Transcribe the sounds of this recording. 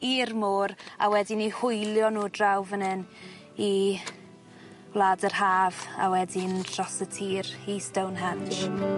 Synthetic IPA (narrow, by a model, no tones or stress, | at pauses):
iːrmoːɾa̰wɛdɪnihʊjlˠjɔnuːdrawvənɪn | i | wlˠaːdərhaːva̰wɛdɪndʰrɔsətʰiːɾistəwnɦanʃ